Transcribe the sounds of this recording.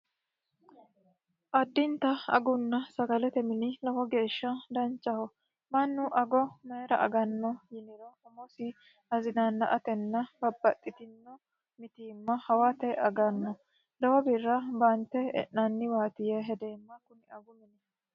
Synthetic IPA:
ʔɐd̪ːɪnt̪ɐɐ̰ɡʊnːɐsɐɡɐlɛt̪ɛmɪnɪlɔhɔɡe̞ːʃːɐd̪ɐnt͡ʃːɐhɔ | mɐnːʊʔɐɡɔmɛjɾɐ̰ʔɐ̰ɡɐnːɔjɪnɪɾɔhɔmɔsɪ | ɐzɪnanːɐʔɐt̪ɛnːɐbɐbːɐt̪ʼːɪt̪ɪnːɔ | mɪt̪iːmːɐhɐwat̪ɛʔɐɡɐnːɔ | lɐwɔbɪrːɐbɐnt̪ːɛɛ̰ʔnɐnːɪwaːt̪ɪjɛɦɛd̪eːmːɐkʊnɪɐɡʊmɪnɛ

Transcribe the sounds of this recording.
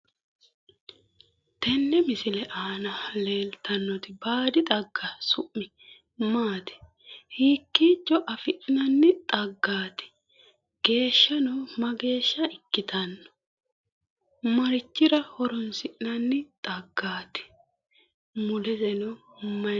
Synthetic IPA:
t̪ɛnːɛmɪsɪlɛʔaːnɐle̞ːlt̪ɐnːɔt̪ɪbaːd̪ɪt̪ʼɐɡːɐsʊʔːɪ | maːt̪ɪ̥ | hiːkːiːt͡ʃːɔʔɐfɪʔnɐnːɪt̪ʼɐɡːaːt̪ɪ̥ | ɡ̥e̞ːʃːɐnɔwmɐɡe̞ːʃːɐɪkːɪt̪ɐnːɔ̥ | mɐɾɪt͡ʃːɪɾɐhɔɾɔnsɪʔnɐnːɪt̪ʼɐɡːaːt̪ɪ̥ | mʊlɛzɛnɔ | mɐ

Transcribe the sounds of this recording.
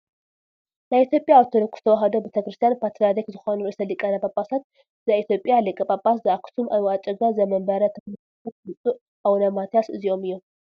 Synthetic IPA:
naβit̪ʰʲjo̞pʼjaːβt̪ʰolɨkʰʼːu̥st̪ʰɐwɐɦɐd̪obet̪ʰɐkɾɨst̪ʰijanpʰat̪ɾad̪ikzɨxonuɨsɐlikʼɐnɐbʼapʼasat̪̚ | zait̪jopʼjalɨkʼɨbʼapʼaszɨaksʰumʔajat͡ʃʼɐɡazɐmɐmbɐɾɐt̪ʰɐknɨ | ɐt̪̚nɨt͡sʼu | ʔawnɐmat̪ʰjasɨ̰zio̞mɨjːo

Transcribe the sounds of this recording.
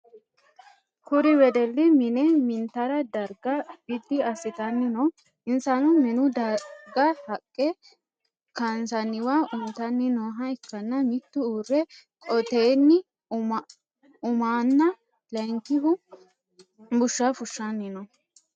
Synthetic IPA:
kʊɾɪwɛd̪ɛlːɪmɪnɛmɪnt̪ɐɾɐd̪ɐɾɡɐb̥ɪd̪ːɪɐsɪt̪ɐnːɪnɔ | ɪnsɐnʊmɛnʊd̪ɐɾɡɐhɐkʼːɛ | kɐnsɐnːɪwaʔʊnt̪ɐnːɪnoːɦɐɪkːɐnːɐmɪt̪ːʊuːrːɛ | kʼɔt̪eːnːɪ | ʊmaːnːɐ | lɐŋkːɪɦʊ | bʊʃːafʊʃːanːɪnɔ

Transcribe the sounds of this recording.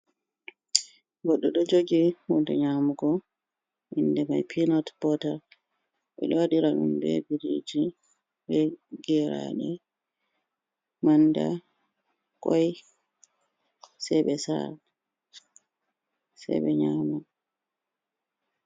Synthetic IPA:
ɡɔɗːɔɗɔd͡ʒoɡihundɛɲamuɡɔ | ʔindɛmajpʰinɔtbɔtaɾ | ɓɛ̰ɗɔwaɗiɾaɗumbɛ̰biɾid͡ʒi | bɛɡɛɾa̰ɗɛ | manda | kɔj | sɛɓɛsa̰l | sɛ̰ɓɛɲaːmu

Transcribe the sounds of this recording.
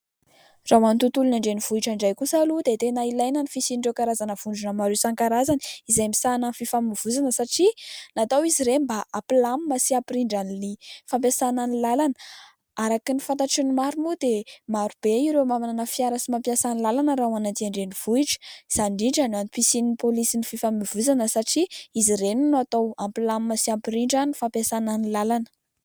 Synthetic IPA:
rawanit̪ut̪ulunaɳɖ͡ʐeniv̥uiʈ͡ʂaɳɖ͡ʐajkusalud̪et̪enailajnanifisiniɖ͡ʐokaɾazanəv̥uɳɖ͡ʐunəmaɾesaŋkaɾazaniizajmisanəfifamiv̥uzanəsaʈ͡ʂinat̪awiziɾembaʔaplammasiapiɾiɳɖ͡ʐanilifampjasananilalanə̥ | aɾakinifant̪aʈ͡ʂinimaɾumud̪emaɾub̥eiɾemaminanəfiaɾasimampjasanilalanəɾaɦwanat̪iaɳɖ͡ʐeniv̥uiʈ͡ʂə̥z̥anɖ͡ʐiɳɖ͡ʐananipisinipolisinififamivuzanəsaʈ͡ʂiiziɾenunuat̪awampilammasiapiɾiɳɖ͡ʐanifampjasananilalanə̥

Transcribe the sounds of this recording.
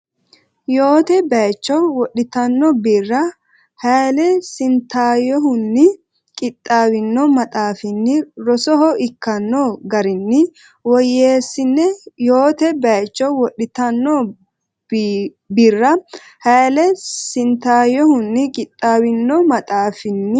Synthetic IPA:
joːt̪ɛbɐjt͡ʃːɔwɔɗːɪt̪ɐnːɔbiːrːɐ | hɐjlɛsɪnt̪aːjɔɦʊnːɪ | kʼɪt̪ʼːaːwɪnːɔmɐt̪ʼaːfɪnːɪɾɔsɔɦɔʔɪkːɐnːɔɡɐɾɪnːɪ | wɔjːeːsːɪnːɛjoːt̪ɛbɐjt͡ʃːɔwɔɗːɪt̪ɐnːɔ | birːɐ | hɐjlɛsɪnt̪aːjɔhʊnːɪkʼɪt̪ʼːaːwɪnːɔmɐt̪ʼaːfɪnːɪ

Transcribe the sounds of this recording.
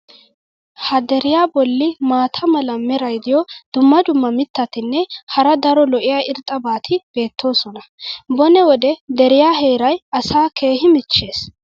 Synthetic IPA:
hɐd̪ɛɾɪjaːbɔlːɪmaːt̪ʰɐmɐlɐmɛɾɐjd̪ɪjɔd̪̥ʊmːɐd̪ʊmːɐmɪt̪ːɐt̪ɪnːɛhɐɾɐd̪ɐɾɔlɔʔɪjaːʔɪɾt̪ʼːɐbaːt̪ʰɪb̥e̞ːt̪ʰːo̞ːsɔnɐbɔnɛwɔd̪ɛd̪ɛɾɪjaːɦeːɾɐjɐsaːkʰe̞ːhɪmɪt͡ʃːe̞ːs

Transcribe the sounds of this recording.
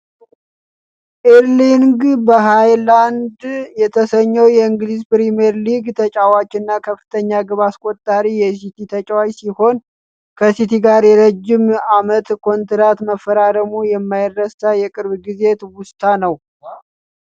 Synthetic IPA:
ʔeɾliŋɡbəɦajland̪jɛt̪ʰəsəɲːəwjɛɨŋɡlizpɾimeɾliɡt̪ʰət͡ʃʼawat͡ʃːɪnːakʰəfɨt̪ʰəɲːaɡɨβaskʼot̪ʼːaɾijɛs̬it̪ʰit̪ʰət͡ʃʼawajsiho̞n | kʰəsit̪ʰiɡaɾjɛɾəd͡ʒːɪmamət̪kʰo̞nt̪ɾat̪məfːəɾaɾəmujɛmːajɪdːəst̪ajɛkʼɨɾβɡize̞t̪wʊst̪ʰanəw

